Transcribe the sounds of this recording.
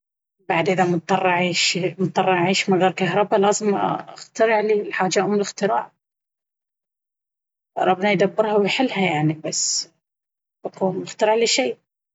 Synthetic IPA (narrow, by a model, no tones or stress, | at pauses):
baʕd̪ʔɪðamʊt̪ˤːɑrˤːɑʕiːʃmʊt̪ˤːɑrˤːɑʕʕiːʃmaɣeːɾˤkaɦɾˤɑbalaːzɪmaxt̪ɑɾɪʕlilħaːd͡ʒːaʊmɪlɪxt̪ɪɾɑ̰ːʕ | ɾˤɑbnajd̪abːɪɾhawɪjħɪlːhajaʕnibasː | baquːmɪxt̪ɑɾˤɑʕliʃiː